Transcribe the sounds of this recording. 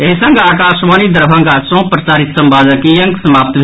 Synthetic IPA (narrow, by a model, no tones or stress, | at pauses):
eɦisəŋɡaːkaʃʋaːnid̪əɾbʱəŋɡasõpɾət͡ʃaːɾit̪səmbad͡ʒəkijəŋɡsəmap̚t̪bʱ